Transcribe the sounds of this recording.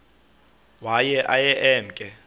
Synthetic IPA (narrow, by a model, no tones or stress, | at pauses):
wajɛʔajɛʔɛːm̩kʼɛ